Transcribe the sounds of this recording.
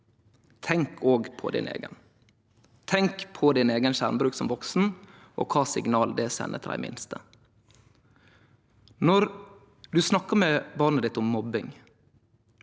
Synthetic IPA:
t̪ʰɛŋkʰoːɡpʰɔ̰d̪ɪ̰nḛːɡə̰n | t̪ʰɛŋkpʰɔd̪ɪneːɡənʃæ̰ʁmbɾʉːksɔmʋɔksn̩ | ʔo̰ːkʰɑːsɪɡnɑːld̪ɛsɛ̰nʔə̰t̪ʰɾæ̰ɪmɪ̰nst̪ə | nɔɾ | d̪ʉsnɑkːəmɛbɑʁnəd̪ɪt̪ʊmːɔbɪŋ

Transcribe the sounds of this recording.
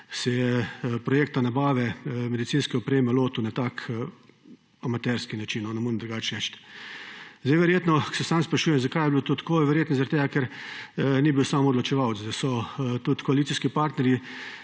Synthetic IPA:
sɛjɛpɾɔjeːk̚t̪anabaːʋɛmɛd̪it̪siːnskɛɔpɾeːmɛloːt̪uwnat̪ak | amat̪ɛɾskinat͡ʃinɔnɛmuɾɛmd̪ɾɡaːt͡ʃɛʃt̪ | zd̪ɛjʋɛɾjeːt̪nɔsɛsaːmspɾɐʃuːjɛmzakajɛblot̪oːt̪ḁkoːʋɛɾjeːt̪nɔzaɾat̪eːɡakɛɾ | nibiwsaːmɔd̪lɔt͡ʃɛʋawt̪sd̪asɔt̪ut̪kɔalit̪siskipaɾt̪nɛɾji

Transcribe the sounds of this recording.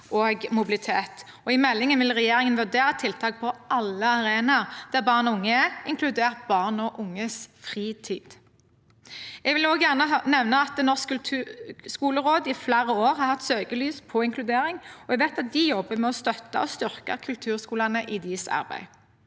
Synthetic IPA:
ʔoːɡmʊbɪlɪt̪ʰeːt̪ | ɔɪmɛlːɪŋənʋɪlʁɛjeːʁɪŋənʋʉʁd̪eːɾət̪ʰɪlt̪ʰɑːk̚pʰɔʔɑlːəɑʁeːnɑʁd̪̥æʁbɑːʁnɔʊŋːəæɪŋkʰlʉd̪eːʁt̪̚bɑːʁnɔʔʊŋːəsfʁiːt̪ʰiːd̪̥ | ɛɡʋɪloːɡjæʁnəɑnɛʋnəɑt̪nɔʁsklt̪ʰːskuːləʁoːd̪ɪflæːɾəoːɾhɑʁhɑt̪ːsøːɡəlyːspʰɔɪŋkʰlʉd̪eːɾɪŋɔɛɡʋeɪt̪ɑt̪̚d̪ɪjɔbːəmɛɔst̪œt̪ːə̰ɔst̪ʏʁkə̰kʰʉlt̪ʰʉːʁskuːlɑnəʔɪd̪isɑ̰ʁbæ̰ɪ

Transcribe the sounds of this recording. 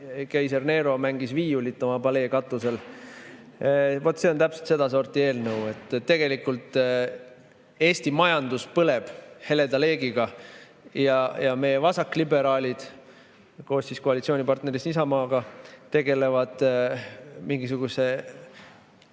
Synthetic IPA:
kæjserne̞ːɾo̞mæŋɡ̥isviːjulit̪ːo̞mɑpɑle̞ːkɑt̪ːˑuse̞l | vo̞t̪ːˑse̞o̞nt̪æpselt̪se̞d̪ɑso̞ːrt̪ie̞ːlnəwe̞t̪ːˑt̪ːe̞ɡ̥e̞likult̪ːˑ | e̞ːst̪imɑjɑnd̪̥uspɤle̞b̥he̞le̞d̪ɑle̞ːɡiɡ̥ɑ | jɑjɑme̞jevɑsɑkːˑlibe̞ɾɑːlʲid̪̥ | ko̞ːsːisko̞ɑlit̪sio̞ːnʲipɑrt̪ne̞ɾisisɑmɑːɡ̥ɑt̪e̞ɡe̞le̞vɑd̪̥ | miŋɡis̬uɡ̥use̞

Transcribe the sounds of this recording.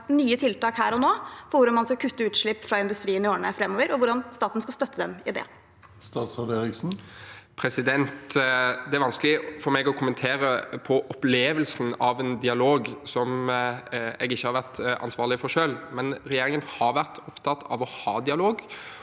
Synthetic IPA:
nyːət̪ʰɪlt̪ɑːkhæːɾɔnoːfɔɾʋʊɾɑnmɑnskɑkʰʉt̪ːəʉːt̪ʂɭɪpːfɾɑɪnd̪ʉst̪ɾiːənɪoːɳəfɾɛmːɔːʋəɾɔʋʊɖɑnst̪ɑːt̪n̩skɑst̪œt̪ʰːəd̪ɛmɪd̪ɛ̰ | st̪ɑːt̪sɑd̪eɾɪksn̩pʰɾɛsɪd̪ɛnt̪d̪ɛæɾʋɑnsklɪfɔɾmɛɡɔkʰʊmənt̪ʰeːɾəpʰɔʔɔpleːʋəlsn̩ɑʋɛnd̪ɪɑloːɡsɔm | ɛ̰ɡɪçːəhɑɾʋæʁt̪ɑ̰nsʋɑːʁlɪfɔɾʂøːlmɛnɾɛjeːɾɪŋənhɑɾʋæʁt̪ʰɔpt̪ʰɑt̪ːʰɑ̰ʋɔhɑːd̪ɪɑloːɡ

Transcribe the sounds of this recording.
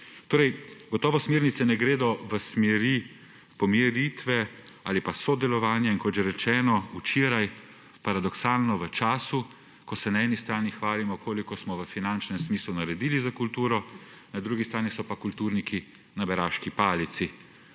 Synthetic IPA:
t̪oːɾɛjɡɔt̪ɔːʋɔsmeːɾnit̪sɛnɛɡɾeːd̪ɔʋəsmɛɾi | pɔmɛɾiːt̪ʋɛaːlipasɔd̪ɛlɔʋaːnjainkɔt̪ʒɛɾɛt͡ʃɛːnɔut͡ʃeːɾaj | paɾad̪ɔksaːlnɔʋət͡ʃaːsu | kɔsɛnaɛːnist̪ɾaːnixʋaːlimɔkʰoːlikɔsmɔʋəfinant͡ʃnɛmsmislunaɾɛd̪iːlizakult̪uːɾɔ | nad̪ɾuɡist̪ɾaːnisɔpakult̪uːɾniki | nabɛɾaːʃkipaːlit̪si

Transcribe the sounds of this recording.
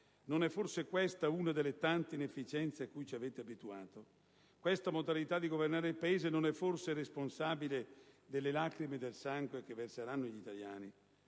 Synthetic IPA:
nonɛfːorsekwɛst̪auːnad̪elːet̪ant̪einefːit͡ʃɛnt̪seakːujt͡ʃiaveːt̪eabit̪uaːt̪o | kwest̪amod̪alit̪ad̪iɡovernaːɾeilpaeːzenonɛfːorseresponsaːbiled̪elːelaːkɾimed̪elsaŋɡwek̟evːerseɾanːoʎit̪aljaːni

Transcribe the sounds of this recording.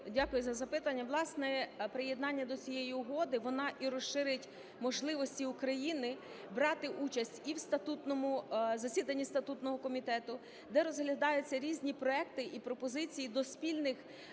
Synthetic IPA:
dʲakʊjʊzɐzɐpɪt̪ɐnʲːɐʋlˠɑsnɛpɾɪjed̪nɑnʲːɐd̪ɔt͡sʲijejiʊɦɔd̪ɪʋɔnɑʔiɾɔʃʃɪɾɪtʲ | mɔʒlˠɪʋɔsʲtʲiʊkɾɐjinɪ | bɾɑt̪ɪʔut͡ʃɐsʲtʲiwst̪ɐt̪ut̪nɔmʊzɐsʲid̪ɐnʲːist̪ɐt̪ut̪nɔɦɔkɔmʲit̪ɛt̪ʊ | d̪ɛɾɔzɦlʲɐd̪ɑjʊt͡sʲːɐɾʲizʲnʲipɾɔɛk̚t̪ɪʔipɾɔpɔzɪt͡sʲijid̪ɔspʲilʲnɪx

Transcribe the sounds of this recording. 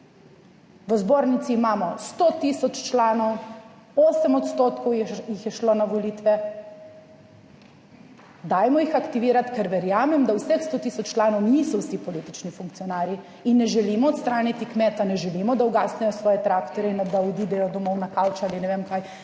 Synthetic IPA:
ʋəzboːɾnit̪siːmaːmɔst̪ot̪isɔt͡ʃt͡ʃlaːnɔw | oːsɛmɔt̪st̪oːt̪kɔwjjixjɛʃlonaʋɔliːt̪ʋɛ | d̪aːjmɔjixakt̪iʋiːɾat̪kɛɾʋɛɾjaːmɛmd̪awsɛxst̪oːt̪isɔt͡ʃt͡ʃːlaːnɔwniːsɔwsipɔlit̪it͡ʃnifuŋkt̪sijɔnaːɾji | inːɛʒɛlimɔːt̪st̪ɾaːnit̪ikmɛːt̪anɛʒɛlimɔd̪auɡasnɛjɔsʋɔːjɛt̪ɾakt̪ɔɾɛind̪aɔd̪iːd̪ɛjɔd̪ɔmɔwnakalt͡ʃaːlinɛʋeːmkaːj

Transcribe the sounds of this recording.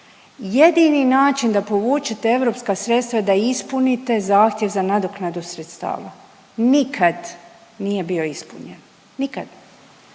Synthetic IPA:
je̞d̪ininaːt͡ʃind̪apo̞ʋuːt͡ʃet̪ee̞ʋɾo̞pskasɾet̪st̪ʋad̪aispunit̪e̞zaːxt̪je̞ʋzanad̪oknad̪usɾet̪st̪a̰ːʋa̰ | nikʰad̪ | nije̞bio̞ispṵɲenː | ikad̪̥

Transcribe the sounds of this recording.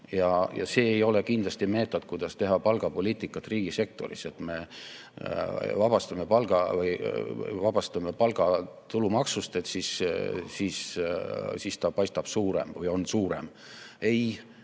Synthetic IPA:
jɑjɑ̰se̞ːjo̞le̞kind̪lɑst̪ime̞ːt̪ːˑo̞d̪̚kujd̪̥ɑst̪e̞ɦɑpɑlɡ̥ɑpo̞lʲiːt̪ikːˑɑt̪ːˑriːɡ̥ise̞k̚t̪o̞̰ɾḭse̞t̪me̞ | vɑbɑst̪ɑme̞pɑlɡ̥ɑvɯj̰vɑb̥ɑst̪ɑme̞pɑlɡ̥ɑt̪ulumɑksust̪et̪sissiːs | sist̪ɑpɑjst̪ɑb̥suːɾe̞̰mvɯjo̞nsuːɾe̞̰m | e̞j

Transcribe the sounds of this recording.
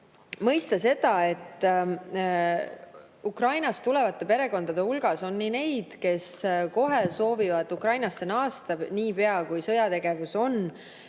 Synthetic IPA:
mɤjst̪ɑse̞d̪̥ɑe̞t̪ːˑ | ukrɑjnɑst̪ule̞vɑt̪ˑːe̞pe̞ɾe̞ɡo̞nd̪̥ɑd̪̥e̞ulɡ̥ɑso̞nːine̞jd̪̥ke̞sko̞ɦe̞so̞ːvivɑd̪ukrɑjnɑsːenɑːst̪ɑniːpe̞ɑkujsɤjɑt̪e̞ɡ̥e̞vuso̞n

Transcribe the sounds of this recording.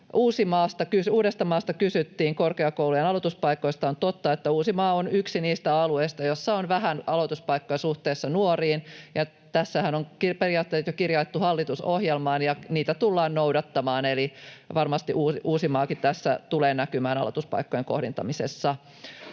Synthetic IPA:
ʔuːsimɑːst̪ɑkysuːɾest̪ɑmɑːst̪ɑkysyt̪ːiːŋkorkeɑkoulujenɑlot̪uspɑikːˑo̞ist̪ɑont̪ot̪ːɑet̪ːæuːsimɑːonyksiniːst̪æɑlueist̪ɑjosːɑonʋæɦænɑlo̞t̪uspɑikːojɑsuht̪eːsːɑnuoriːnjɑ | t̪æsːæhænoŋkiperijɑːt̪ːeːt̪jokirjɑjet̪ːuhɑlːit̪usohjelmɑːnjɑniːt̪æt̪ulːɑːnnowdɑt̪ːɑmɑːneliʋɑrmɑst̪iʔuːʔuːsimɑːkit̪t̪æsːæ̰t̪uleːnækymæːnɑ̰lot̪uspɑ̰ikːojeŋko̰hdint̪ɑmisḛsːɑ

